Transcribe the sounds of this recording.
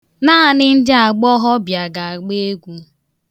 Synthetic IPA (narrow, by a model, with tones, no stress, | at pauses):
naː˦˨nɪ˦n̩˦dɪ˦a˨ɡ͡bɔ˦ɦɔ˦bja˨ɡa˨a˨ɡ͡be˦ɡʷu˦